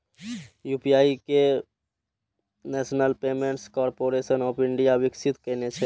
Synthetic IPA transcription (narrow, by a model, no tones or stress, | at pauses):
juːpijaːike | nɛːʃnəlpeːmẽːɳʈskɔːɾpoːɾeːʃənɔːpʰɪ̃ɳɖijaʋɪksɪt̪kɛːnet͡ʃʰe